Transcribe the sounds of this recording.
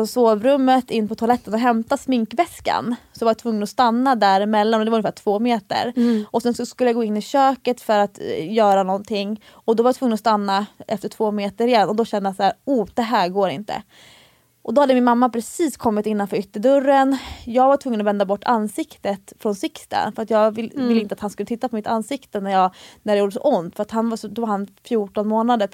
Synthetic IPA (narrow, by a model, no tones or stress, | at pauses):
ɔsoːvɾɵmːət̪ɪnːpʰɔt̪ʰʊalɛt̪ːənɔɦɛmt̪asmɪŋkvɛska̰nsɔjvaɾjat̪ʰvɵŋːənɔst̪anːad̪æɾɪmɛlːanɔd̪ɛvɾɵnɪfæːʈʰv̥oːmeːt̪ə̰ɾʔɔsɛnsɔskɵləjaɡoːɪnːɪɕøːkət̪fœɾat̪jœːɾanɔnt̪ʰɪŋː | ɔd̪ɔvaɾjat̪ʰvɵŋːənɔst̪anːaʔɛft̪əʈʰv̥oːmeːt̪əɾɪjɛd̪nɔd̪ɔɕɛnd̪əjasaæːɾuːd̪̥ɛɦæːɾɡoːɾɪ̰nt̪ə̰ | ʔɔd̪ɔhad̪ːəmɪnmamːapʰɾɛsiːskʰɔmːɪt̪ɪnːanfœːɾʏt̪ːəɖɵɾːənjɑːɡvaʈʰvɵŋːənɔvɛnd̪abɔʈːanːsɪkt̪ət̪fɾɔnsɪkst̪ə̰nfœɾat̪jɑːɡvɪvɪlːəɪnt̪əat̪hanskɵlət̪ʰɪt̪ːapʰɔmɪt̪ansɪkt̪ənæɾjɑːɡnæɖɛjuːɖəsɔ̰ʔʊnd̪fœɾat̪hanvasɔd̪ɔvaɾhanfjuːʈɔnmoːnad̪əɾ